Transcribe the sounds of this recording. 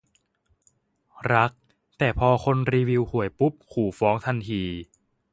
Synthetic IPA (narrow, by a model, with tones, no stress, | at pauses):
ɾa˦˥k̚ | t̪ɛː˨˩pʰɔː˧kʰo˧nɾiː˧wi˧whu˨˩˦əjpu˦˥p̚kʰuː˨˩fɔː˦˥ŋt̪ʰa˧nt̪ʰiː˧